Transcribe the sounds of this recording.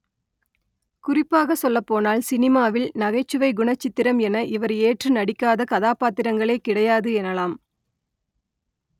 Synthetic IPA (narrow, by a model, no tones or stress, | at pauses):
kʊrɪpːaːɣɐsɔlːɐpːoːnaːlsɪnɪmaːʋɪlnɐɣɐɪt͡ʃːɯʋɐɪɡʊɳɐt͡ʃːɪt̪ːɪɾɐmɛnɐʔɪʋɐɾeːʈrɯnɐɽɪkːaːðɐkɐðaːpaːt̪ɪɾɐŋɡɐɭɐeːkɪɽɐjaːðɯɛnɐlaːm